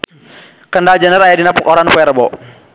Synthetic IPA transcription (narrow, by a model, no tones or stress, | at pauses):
kəndald͡ʒanəɾajadinapəkɔɾanpuɛɾbɔ